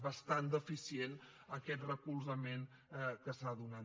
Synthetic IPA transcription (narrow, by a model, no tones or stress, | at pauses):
βəst̪and̪əfisien | əkɛt̪rəkulˠzəmen | kəsaðuna